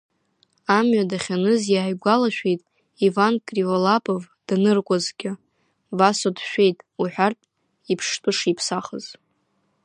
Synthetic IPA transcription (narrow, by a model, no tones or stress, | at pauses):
amɥadaχʲanɨzjaːjɡʷalaʃᶣe̞jtʼ | ivankʼrivolapʼov | d̥nɨrkʷʼazɡʲɪ | vasodʃᶣe̞jtʼuħʷᶣartʼ | ipʰʂtʼʊʂipʰsaχəz̥